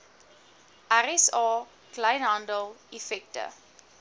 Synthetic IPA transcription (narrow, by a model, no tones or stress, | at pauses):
ʔæɾɛsɑː | klɐjnɦɐndəlˠifɛk̚tə̰